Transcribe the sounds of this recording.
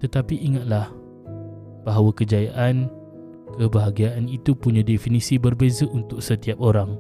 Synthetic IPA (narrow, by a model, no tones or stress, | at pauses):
t̪ət̪apiʔːŋat̪̚lah | b̥aɦawakəd͡ʒajaʔan | kəbəɦaɡiaʔanit̪upuɲãdefinĩsibərbezəʔunt̪ʊk̚sət̪iap̚oɾaŋ